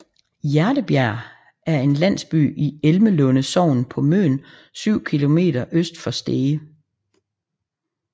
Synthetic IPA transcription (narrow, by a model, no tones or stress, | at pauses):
jæɐɾəb̥jæɐ̰ | æɐe̝nlæn̰sb̥y̰ːielməlɔ̽nəsɒʊ̰npʰɒ̽mø̰ːn | syʊ̰kʰilo̝me̝̰ːd̥ɐʔøsd̥fɒ̽sd̥eːə